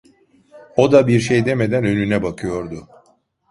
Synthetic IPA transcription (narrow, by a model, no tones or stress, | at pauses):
o̞d̪abiɾʃejd̪e̞me̞d̪ænø̞nynɛbakʰɯjo̞ɾd̪ʊ